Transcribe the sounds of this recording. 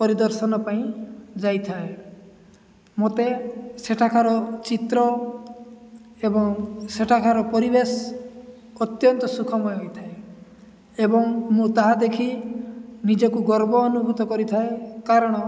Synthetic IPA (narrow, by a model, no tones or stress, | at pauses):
pɔɾid̪ɔɾsɔnɔpaĩd͡ʒajt̪ʰae | mot̪eseʈʰakʰaɾɔt͡ʃit̪ɾɔ | ebɔŋseʈʰakʰaɾɔpɔɾibesː | t̪jɔnt̪ɔsukʰɔmɔjɦojt̪ʰae | ebɔŋmũt̪aɦad̪ekʰi | nid͡ʒɔkuɡɔɾbɔːnubʱut̪ɔkɔɾit̪ʰaekaɾɔɽ̃ɔ